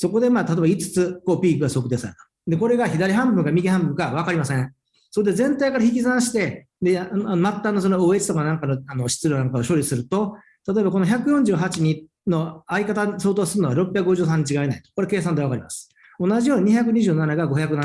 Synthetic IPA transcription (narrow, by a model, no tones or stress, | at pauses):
so̞ko̞d̪e̞maːt̪at̪oebait͡sɨ̥t͡sɨko̞ːpʲiːkɯɡaso̞kɯd̪esaɾɯt̪o̥ | d̪e̞koɾe̞ɡaçid̪aɾʲiɦãmbɯ̟̃ŋɡamʲiɡʲihãmbɯ̟̃ŋɡaβ̞akaɾʲimasẽ | so̞kod̪ezẽ̞nt̪aikaɾaçikʲizãɰ̃ɕi̥t̪e̞ | d̪enomat̪ːano̞s̬onooet͡si̥t̪o̞kanãŋkanoano̞ɕi̥t͡sɨɾʲonãŋkaoɕo̞ːɾʲisɨɾɯ̟t̪o̞ | t̪at̪o̞ebako̞noçʲakɯ̟jõ̞ɲ̟d͡ʑɨːɦat͡ɕiɲ̟i | no̞aikat̪aso̞ːt̪o̞ːsɨɾɯnoβaɾo̞pːʲjakɯ̟ɡo̞ʑɯ̟ːs̬ãɲ̟ːit͡ɕiɡaenai̥t̪o̥ko̞ɾe̞ke̞ːs̬ãnd̪eβakaɾʲimasɨ̥ | o̞naʑijo̞ːɲ̟iɲiçak̬ɯ̟ɲ̟iʑɨːnanaɡaɡo̞çakɯna